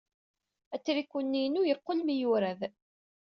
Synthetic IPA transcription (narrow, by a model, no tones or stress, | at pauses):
æt͡sːɾikʷːunːinujəɾqːonmijuɾæð